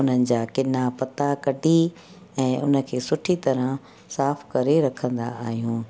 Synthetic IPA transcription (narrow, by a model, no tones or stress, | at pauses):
ʊn̤ənɪ̆d͡ʑaːkɪnapɐt̪akɐɖʱi | ɛ̃ːʔʊ̰nə̆kʰeːsʊʈʰit̪ɐɾə̃ | saːfkɐɾeɾɐkʰə̃nd̪a̰aːɦijũː